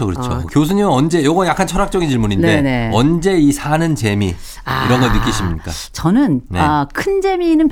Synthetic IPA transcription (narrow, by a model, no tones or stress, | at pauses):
okɯɾɯt͡ɕʰo̰kjosʰuɲimʌnd͡ʑe̞jʌɡʌjak͈ʰant͡ɕʰʌɾak̚t͡ɕ͈ʌɡint͡ɕiɭmunindeeeneʌnd͡ʑe̞isʰanɯnt͡ɕe̞mḭ | iɾʌnɡʌnːɯk͈iɕʰimɲik͈a̰t͡ɕʌnɯnneakʰɯnd͡ʑe̞minɯn